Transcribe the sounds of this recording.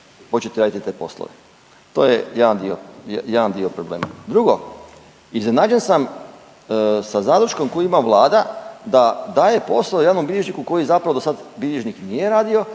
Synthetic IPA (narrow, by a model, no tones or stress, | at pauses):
pot͡ɕet̪eɾaːd̪it̪it̪eːpo̞̰slˠo̰ʋe | t̪o̞ːjejed̪and̪io̰jeʋand̪iopɾoblḛːma̰d̪ɾuɡo̞ | iznenad͡ʑensam | sazaːd̪ɾuʃko̞mkojuimaʋlˠaːd̪ad̪ad̪aːje̞po̞slˠojanombilʲeʒnikuko̞jizapɾaʋo̞d̪osad̪bilʲeʒniknijeɾaːd̪io̞